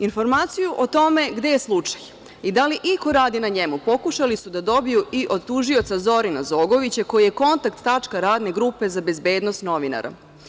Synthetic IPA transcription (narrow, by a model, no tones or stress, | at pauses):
info̞ɾmaːt̪sijuʔo̞t̪o̞me̞ɡd̪e̞jeslˠut͡ʂḁj | id̪aliʔiko̞ɾaːd̪inaɲe̞mupo̞kuʃalisud̪ad̪o̞bijuiʔo̞d̪̚t̪uʒio̞t̪sazo̞ɾinazo̞ːɡo̞ʋit͡ɕako̞jije̞ko̞nt̪akt̪ːat͡ʂkaɾaːd̪ne̞ɡɾupe̞zabe̞zbe̞ːd̪nost̪no̞ʋina̰ɾʔa̰